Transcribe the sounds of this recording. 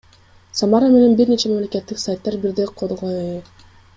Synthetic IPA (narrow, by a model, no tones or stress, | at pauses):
samɑɾame̞ne̞nbiɾne̞t͡ʃʰe̞mamleke̞t̪ːiksajt̪ːɑɾbiɾd̪eqʰolˠʁoe